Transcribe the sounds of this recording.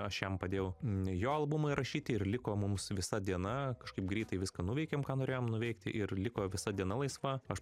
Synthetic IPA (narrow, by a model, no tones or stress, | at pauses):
ɐʃjɛmpɐd̪ʲeːjɛʊjoːɐlˠbʊmɐɪɾɐʃʲiːt̪ʲɪɪrlʲɪkoːmʊmsʋʲɪsɐd̪ʲiɛnɐkɐʃkɐɪp̚ɡɾʲiːt̪ɐɪʋʲɪskɐnʊʋʲɛɪkʲeːmkɑːnoːɾʲeːjoːmnʊʋʲɛɪkt̪ʲɪʔɪrlʲɪkoːʋʲɪsɐd̪ʲiɛnɐlˠɐɪsʋɐɐʃ